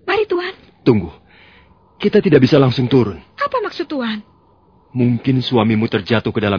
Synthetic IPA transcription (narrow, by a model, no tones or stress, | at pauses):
maɾit̪uɦan | t̪uŋɡʊh | kit̪at̪idaʔbisalaŋsʊŋt̪uɾʊnʔapamaksʊt̪ːuɦan | muŋkɪnsuamimut̪ərd͡ʒat̪ʊhkədala